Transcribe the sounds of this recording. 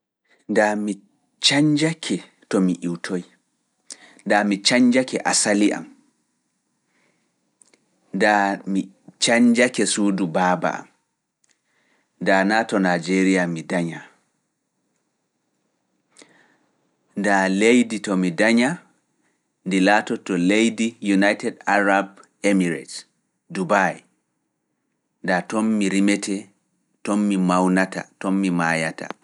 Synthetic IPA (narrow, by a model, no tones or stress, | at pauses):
ndami | t͡ʃaɲd͡ʒakʰɛ | tɔmiʔiwtʰoj | ndamit͡ʃaɲd͡ʒakɛʔasaliʔa̰m | ndami | t͡ʃaɲd͡ʒakɛsuːdubaːba̰a̰m | ndanaːtɔnad͡ʒeɾijamidaɲa | ndalejditɔmidaɲa | ndilaːtɔtɔlejdijunajtɛdaɾab | emiɾɛ̰t | dubaj | ndatɔnmiɾimɛtʰɛ | tɔmːimawnata̰tɔmːimaːjata̰